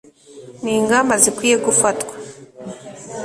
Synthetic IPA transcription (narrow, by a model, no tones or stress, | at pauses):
niːŋɡamazikwiːjeɡufatwḁ